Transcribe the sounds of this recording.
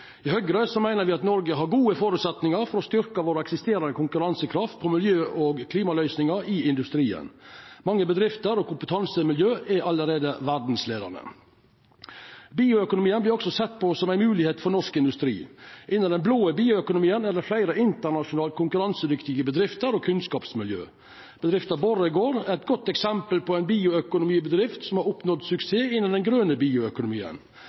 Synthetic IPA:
ɪhœɡɾəsɔmæɪnəɾʋɪɑt̪nɔɾɡəɦɑɾɡuːəfoːɾʉt̪sɛt̪nɪŋɑɾfɔɾɔst̪ʏɾkɑʋoːɾəɛksɪst̪eːɾɑnd̪əkʰʊŋkʉɾɑnsəkʰɾɑft̪̚pʰɔmɪljøːʔɔɡkʰliːmɑlœʏsnɪŋəɾɪɪnd̪ʉst̪ɾiːə̰nmɑŋːəbəd̪ɾɪft̪əɾɔkʊmpət̪ʰɑnsəmɪljøːʔɛʔɑlːəɾeːd̪əʋæɖn̩slḛːd̪ə̰ɳə̰ | biːʊœkʊnʊmiːənblɪɾɔksɔsɛt̪ːpʰɔsɔmæɪnmʉːlɪheːt̪fɔnɔʂkɪnd̪ʉst̪ɾḭːʔɪnːənd̪ɛnbloːəbiːʊœkʊnʊmiːənæd̪ɛflæɪɾəɪnt̪əɾɳɑʂʊnɑːlkʰʊŋkʉɾɑnsəd̪ʏkt̪ɪɡəbəd̪ɾɪft̪əɾɔːkʰʉnskɑːpsmɪljø̰ː | b̥əd̪ɾɪft̪əɾbɔɾəɪɡoːɾæɛt̪̚ɡɔt̪ːɛksɛmpəlpʰɔæɪnbiːʊœkʊnʊmiːbəd̪ɾɪft̪sɔmhɑɾʊpnɔd̪sʉkseːɪnːɑnd̪ɛnɡɾøːnəbiːʊœkʊnʊmiːə̰n

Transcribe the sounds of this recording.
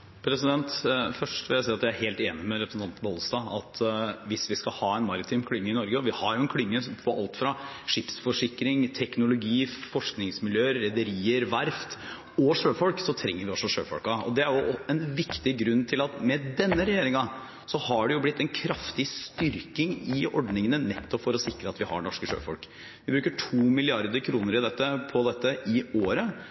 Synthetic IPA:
pʰɾɛsɪd̪ɛnt̪fœʂʈʋɪljæsiːɑt̪jææɾheːlt̪eːnɪmɛɾɛpʰɾsn̩t̪ʰɑnt̪boːləst̪ɑːɑ̰t̪ʰʋɪsʋɪskɑhɑːɛnmɑɾɪt̪ʰɪmkʰɽʏŋːəɪnɔɾɡəɔʋɪhɑɾjʊɛnkʰlʏŋːəsfʰɔʔɑ̰lt̪fɾɑʂɪpsfɔʂɪkɾɪŋt̪ʰɛknʊlʊɡiːfɔʂknɪŋsmɪljøːəɾːɛd̪əɾiːəɾʋæɾft̪ | ɔʂøːfɔlksɔt̪ʰɾɛ̰ŋːəɾʋɪɔsːɔʂø̰ːfɔ̰lkɑɔ̰d̪ɛæɾjʊɛnʋɪkt̪ɪɡɾʉnːt̪ʰɪlɑt̪mɛd̪ɛnːəɾɛjeːɾɪŋɑ | sɔhɑɖɛjʊblɪt̪ːɛnkʰɾɑft̪ɪst̪ʏɾkɪŋɪɔ̰ɖnɪŋənənɛt̪ːɔpfɔɾɔsɪkɾəɑt̪ʋɪhɑ̰ɛnɔʂkəʂø̰ːfɔ̰lk | ʋɪbɾʉːkəʈʰuːmɪlɪɑɾd̪əɾkʰɾuːnəɾɪd̪ɛt̪ːəpʰɔd̪ɛt̪ːəɪoːɾə

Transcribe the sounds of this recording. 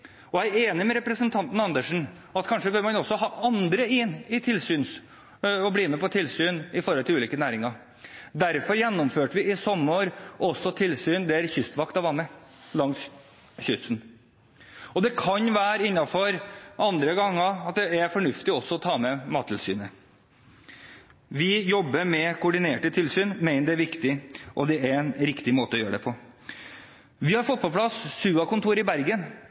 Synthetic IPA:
ɔæɪeːnɪmɛɾɛpɾəsənt̪ʰɑnt̪n̩ɑnd̪əʂn̩ | ɑt̪kʰɑnʂəɡoːɾmɑnɔsːɔɦɑːʔɑnd̪ɾəɪnːɪt̪ʰɪlsyːns | ɔbliːmɛpɔt̪ʰɪlsyːnɪfɔɾhɔlɪlʉːliːkənæːɾɪŋɑɾ | d̪æɾfɔɾjɛnːɔmføːʈəʋɪɪsɔmːoːɾʔɔsːɔt̪ʰɪlsyːnd̪ɛæɾçʏst̪ʋɑkt̪ɑʋɑnːəlɑŋs | çʏsn | ɔd̪ɛkʰɑnʋæːɾɪnːɑfɔɾʔɑnd̪ɾəɡɑŋːəɑt̪̚d̪ɛæɾfɔɳʉft̪ɪɔsːɔɔt̪ʰɑːmɛmɑːt̪ʰɪlsy̰ːnə | ʋɪjɔbːəɾmɛkʰʊʊɖɪneːʈət̪ʰɪlsyːnmæɪnəɖɛæɾʋɪkt̪ɪʔɔd̪ɛæɾɛnɾɪkt̪ɪmoːt̪əɔjøːəɖɛpʰɔ | ʋɪhɑɾfɔt̪̚pɑlpʰlɑsːʉːɑkʊnt̪ʰuːɾɪbæɾɡən

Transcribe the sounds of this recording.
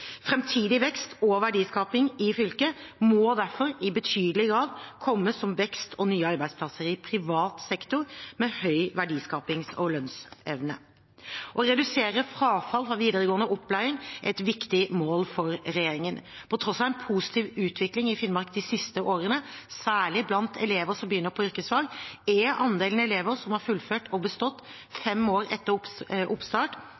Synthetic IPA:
fɾɛmt̪ʰiːd̪ɪʋɛkst̪ʰɔʋæɖiːskɑːpɪŋɪfʏlkəmɔd̪æɾfɔɾɪbət̪ʰyːd̪əlɪɡɾɑːd̪kʰɔmːəsɔmʋɛkst̪ʰɔnyːəɑɾbæɪd̪spʰlɑsəɾɪpʰɾɪʋɑːt̪sɛkt̪ʊɾmɛhœʏʋæɖiːskɑːpɪŋsɔlœnsɛʋnə̰ | ʔɔɾɛd̪ʉseːɾəfɾɑːfɑlfɾɑʋiːd̪əɾəɡoːənəʔɔpʰːlæɪɾɪŋʔɛt̪ʋɪkt̪ɪmoːlfɔɾɾɛjeːɾɪŋənpʰɔt̪ʰɾɔsɑɛnpʰuːsɪ̥t̪ʰiːʋʉːt̪ʰʋɪklɪŋɪfɪnmɑɾkd̪ɪsɪst̪əʔoːɾənəsæːɭɪblɑnt̪ʰɛleːʋəɾsɔmbəjʏnːəɾpʰɔʏɾkəsʋɑːɡɛʔɑnd̪eːlnɛleːʋəɾsɔmhɑːɾfʉlføːʈɔbəst̪ɔt̪ː | fɛmoːɾɛt̪ːəɾʔʊpst̪ɑːʈ

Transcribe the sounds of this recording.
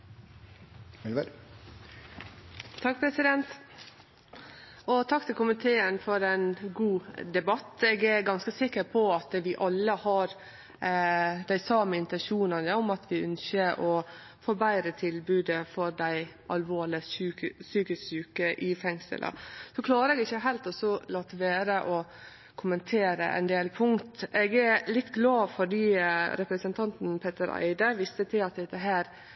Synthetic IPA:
ɛlʋəɾ | t̪ʰɑk̚pʰɾɛsɪd̪ɛnt̪ | ɔt̪ʰɑkt̪ɪlkʊmɪt̪ʰeːənfɔɾɛnɡuːd̪ɛbɑt̪ːeːɡæɾɡɑnskəsɪkːəɾpʰɔɑt̪ʋɪʔɑlːəhɑɾ | d̪̥æɪsɑːməɪnt̪ɛnʃuːnənəɔmɑt̪ʰʋɪœnsəʔɔ | foːbæɪɾət̪ʰɪlbʉːd̪əfɔɾd̪æɪʔɑlʋoːɭɪʉːsyːkɪssʉːkəʔɪfɛŋsə̰lʔɑ̰sɔkʰlɑːɾəɛːɡɪçːəɦæɪlt̪ɔsɔlɑːt̪ːʋæːɾəʔɔ | kʰʊmənt̪ʰeːɾə̰ʔæ̰ɪnd̪eːlpʰʊŋt̪ɛɡæɾlɪt̪ːɡlɑːfɔɖiːɾɛpɾəsənt̪ʰɑnt̪n̩pʰeːt̪əɾæ̰ɪd̪əʋɪst̪ət̪ʰɪlɑt̪̚d̪ɛt̪ːəɦæːɾ

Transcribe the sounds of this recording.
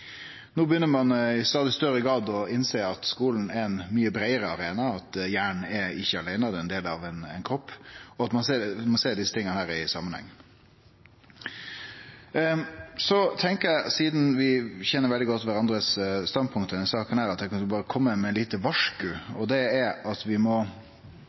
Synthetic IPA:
noːbəjʏnːəɾmɑnɪst̪ɑːd̪ɪst̪œɾəɡɾɑːd̪ɔɪnseːɾɑt̪skuːln̩ɛɛnmyːəbɾæɪəɾəɑɾeːnɑɑt̪jæːɳɳ̩ɛɾɪçːəɑlæɪnɑd̪ɛɛnd̪eːlɑʋɛnɛɪnkʰɾɔpːɔɑt̪mɑnseːmɑnseːɖɪsət̪ʰɪŋənəhæːɾɪsɑ̰mːənhɛ̰ŋː | sɔt̪ʰɛŋkəɾæɪsiːd̪n̩ʋɪçɛnːəɾʋɛld̪ɪɡɔt̪ːʋæɾɑnd̪ɾəsst̪ɑnpʰʊŋkt̪əd̪ɛnsɑːkənhæːɾɑt̪d̪ækʰɑnbɑːɾəkʰɔmːəmɛnliːt̪əʋɑʂkʉɔd̪ɛæɾɑt̪ʋɪmɔ

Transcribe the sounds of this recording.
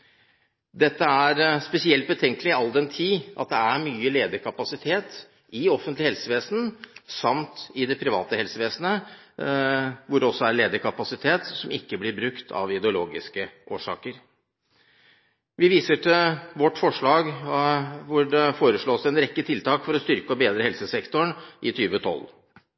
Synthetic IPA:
d̪ɛt̪ːəæɾspɛsɪɛlt̪̚bət̪ʰɛŋkəlɪɑld̪ɛnt̪ʰiːʔɑ̰t̪̚d̪ɛæɾmyːəleːd̪əɾkʰɑpɑsɪt̪ʰeːt̪ | ɪɔfənt̪lɪhɛlsəʋeːsənsɑmt̪ɪd̪ɛpʰɾɪʋɑ̰ːt̪əhɛlsəʋeːsnə | ʋʊɖɛɔsːɔæɾɭeːd̪əɾkʰɑpɑsɪt̪ʰeːt̪sɔmɪkːəblɪɾbɾʉkt̪ʰɑ̰ʋɪd̪ɛʊloːɡɪskəʔoːʂɑ̰ːkəɾ | ʋɪʋiːsəʈʰɪlʋɔʈːfɔʂɭɑːɡ | ʋʊɖɛfoːɾəʂɭoːsɛnɾɛkːət̪ʰɪlt̪ʰɑːkfɔɾɔst̪ʏɾkəɔbeːd̪ɾəhɛlsəsɛkt̪ɔɳʔɪt̪ʰyːʋət̪ʰɔ̰lː

